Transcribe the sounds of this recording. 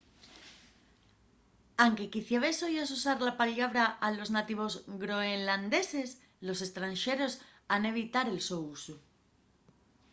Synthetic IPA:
aŋke̞kiθjaβ̞esojos̬usaɾlapaʎaβ̞ɾaalo̞znat̪iβ̞o̞zɡɾo̞enland̪e̞se̞s | lo̞se̞st̪ɾanʃe̞ɾo̞sane̞β̞it̪aɾe̞lso̞usu

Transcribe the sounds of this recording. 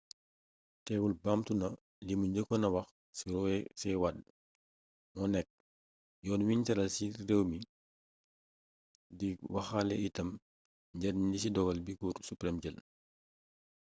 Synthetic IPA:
tɛːwulbaːmtunɐ | limuɲɟəkːɔnɐwɐx | siɔsɛwad | mɔnɛk̚ː | jɔːnuwintɛɾɐlsirewmi | diwɐxalɛ̰itɐm | ɲɟɛdɲisidɔɡɐlbikuɾsupɾɛmɟəl

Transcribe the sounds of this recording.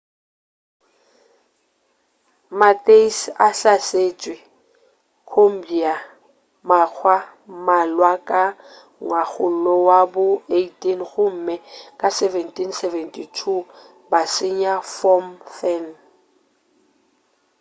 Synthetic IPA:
matʼeisaɬaseːt͡ʃʼwɪ | kʰom̩bia | mak͡xʰwa | malwakʼa | ŋwak͡xʰʊl̩lɔwabʊeitʼinɣʊm̩mɛkʼasɛvɛntʰʼinsɛvɛntʰʼitʰu | basɪɲafɔmfɛn

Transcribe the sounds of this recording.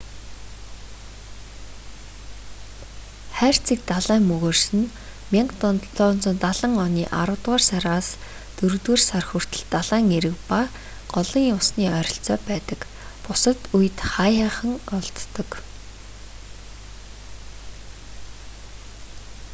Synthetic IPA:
χæːr̥t͡siːk̚t̪aɮæːŋmɵɣoːrsɘ̆n | mʲiɴɢt̪ɮɔːnt͡sə̆nt̪aɮə̆ŋɔniːʔaɾʊ̆wt̪ʁaːrsaɾaːs | t̪ɵɾɣt̪weːrsarxur̥t̪ɘ̆ɮt̪aɮæːŋeɾɘ̆kpa | ɢ̥ɔɮɞ̆ŋjʊsniːœɾʲɞ̆ɬt͡sɔːpæːt̪ə̆k | pʊsə̆t̪ujɘ̆t̪χajaːχə̆ŋɔɮt̪ːɞ̆k

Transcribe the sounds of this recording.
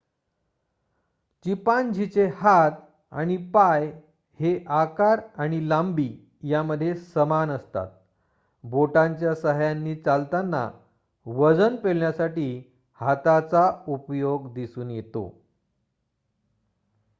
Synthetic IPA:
t͡ɕipand͡ʑʱit͡sehat̪ | a̰ɽ̃ipaj | heʔakaɾaɽ̃ilambiː | jaməd̪ʱːjesəmanəst̪a̰t̪̚ | boʈãɲt͡ɕjasəɦjanːiːt͡salt̪anːa̰ | ʋəd͡zənpeɭɳjasaʈiː | hat̪at͡saupjoɡd̪isuːnjet̪o̰

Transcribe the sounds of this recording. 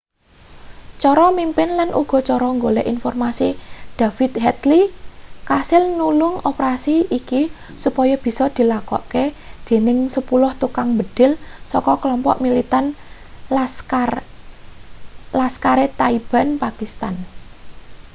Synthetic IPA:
t͡ʃɔɾɔmimpɪnlanʔṵɡ̥ɔ̤t͡ʃɔɾɔŋɡolɛʔinfɔrmasid̪̥a̤fit̪hɛt̪likasɪlnulʊŋɔpɾasiiki | supɔjɔb̥i̤sɔd̪̥i̤lakɔ̰ʔke | d̪̥e̤nɪŋsəpulʊht̪ukaŋbəd̪̥ɪ̤lsɔkɔklɔmpɔ̰ʔmilit̪an | a | laskaɾet̪aib̥a̤npakist̪an

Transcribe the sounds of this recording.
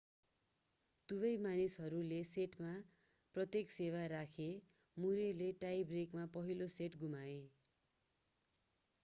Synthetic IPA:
t̪ubʌjmanisɦʌɾuleseʈma | prʌt̪jeksewaɾakʰe | muɾeleʈajbrekmapʌɦiloseʈɡumae

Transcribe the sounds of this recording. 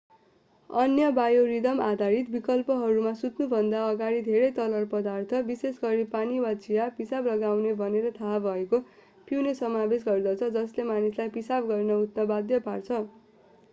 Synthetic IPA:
ʌnjʌbajoɾid̪ʌmad̪ʱaɾit̪bikʌlpʌɦʌɾumasut̪nubʱʌnd̪aʌɡaɾid̪ʱeɾʌjt̪ʌlʌrpʌd̪art̪ʰʌbisesɡʌɾipaniwad͡zijapisablʌɡawnebʱʌneɾʌt̪ʰaɦabʱʌeko | pʰiwnesʌmabesɡʌrd̪ʌt͡sʰʌd͡zʌslemanislajpisabɡʌrnʌut̪nʌbad̪jʌpart͡sʰʌ

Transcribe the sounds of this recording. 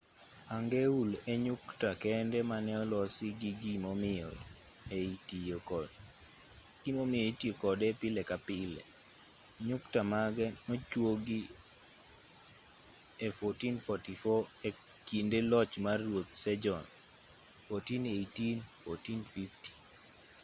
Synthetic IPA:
aŋɡeuleɲʊktakɛndɛmanɛɔlɔsiɡiɡimɔmɪɔ | et | ɡ̥imomɪɔetiokɔdɛpɪlɛkapɪlɛ̰ | ɲʊktamaɡɛnɔt͡ʃwoɡi | efɔtinfɔtifɔekindelɔt͡ʃmarːwot̪̚sɛd͡ʒɔn | fɔtinetinfɔtinfifti̥

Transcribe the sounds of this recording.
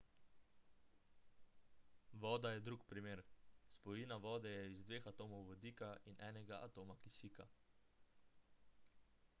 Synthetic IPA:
ʋɔːd̪ajɛd̪ɾuːkpɾimeːɾspɔjinaʋɔːd̪ɛjɛizd̪ʋeːxat̪oːmɔwʋɔd̪iːkainʔɛːnɛɡaʔat̪oːmakisiːka̰

